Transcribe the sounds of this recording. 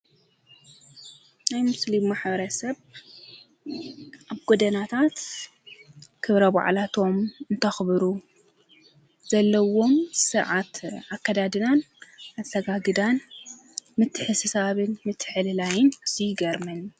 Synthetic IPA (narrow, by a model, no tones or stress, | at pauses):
najmɨslimaħbɐɾɐsɐβ | ʔaβɡod̪ɐnat̪ʰat̪ | kʰɨβɾɐba̰ʕlat̪ʰo̞mɨnt̪ʰɐxbɨɾu | z̥ɐlːɐwo̞msɨɾʕat̪ʔakːɐd̪ad̪ɨnan | azɐɡaɡɨd̪an | mɨt̪ʰːɨħɨsɨsaβɨnmɨt̪ʰːħɨlɨlajɪnɨsijɡɐɾmɐn